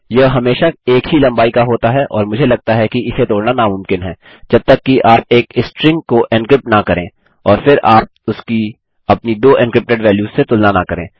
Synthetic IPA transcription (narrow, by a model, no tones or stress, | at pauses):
jɐɦɐmeːʃaeːkɦilɐ̃mbaːikaɦoːt̪aɦɛʔɔ̰ːɾmʊd͡ʒʱelɐɡ̚t̪aɦɛkiɪset̪oːɽnanamʊ̃mkɪnɦɛː | d͡ʒɐb̚t̪ɐkːiʔaːp̚eːkɪsʈɾɪ̃ŋɡkoʔɪ̃nkɾɪp̚ʈnakɐɾẽː | ɔːɾfʰɪɾaːp̚ʊski | ɐpnid̪oːʔɪ̃nkɾɪp̚ʈeɖʋɛːljuːz̥ːet̪ʊlnanakɐɾẽː